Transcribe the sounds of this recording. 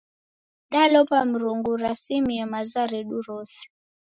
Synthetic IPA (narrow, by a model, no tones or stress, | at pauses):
ɗalɔpam̩ɾuŋɡuɾasimiɛmazaɾɛɗuɾɔsi̥